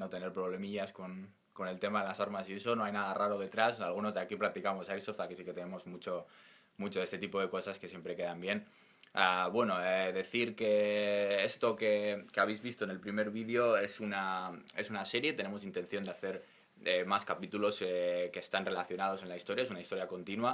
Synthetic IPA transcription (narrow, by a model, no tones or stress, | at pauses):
not̪e̞ne̞ɾpɾo̞β̞le̞miʝaskon | ko̞nelt̪e̞maðe̞lasaɾmasie̞s̬o̞no̞ajnaðaraɾoð̞e̞t̪ɾasalɣ̞uno̞zðakiplak̚t̪ikamo̞saisoft̪akesike̞t̪e̞ne̞mo̞zmut͡ʃo̞ | mut͡ʃoe̞st̪et̪ipo̞ðe̞ko̞saske̞sjempɾe̞ke̞ðambje̞n | aβwe̞no̞eðe̞θiɾke̞est̪o̞ke̞keaβejzβist̪oene̞lpɾime̞ɾβiðjo̞e̞sunae̞sunase̞ɾje̞t̪e̞nẽ̞mo̞sint̪e̞nθjo̞nd̪eaθe̞ɾ | emaskapit̪ulo̞ske̞ːst̪anre̞laθjo̞nað̞o̞s̬e̞nlaist̪o̞ɾjaes̬unaist̪o̞ɾjako̞nt̪inwa